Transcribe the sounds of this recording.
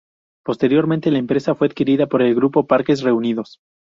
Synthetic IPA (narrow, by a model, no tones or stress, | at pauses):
po̞st̪e̞ɾjo̞ɾmẽnt̪e̞laempɾe̞safweað̥kiɾiðapo̞ɾe̞lɡɾupo̞paɾke̞s̬re̞uniðo̞s